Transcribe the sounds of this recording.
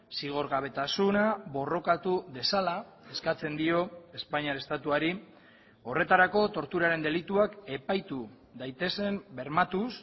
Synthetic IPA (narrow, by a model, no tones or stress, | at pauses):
siɣ̞o̞ɾɣaβ̞e̞t̪asunaβo̞ro̞kat̪uðe̞sala | e̞skat͡se̞nd̪io̞e̞spaɲiaɾe̞st̪at̪uaɾi | o̞re̞t̪aɾako̞t̪o̞ɾt̪uɾaɾe̞nd̪e̞lit̪uake̞pajt̪u | ðajt̪e̞se̞mbe̞ɾmat̪us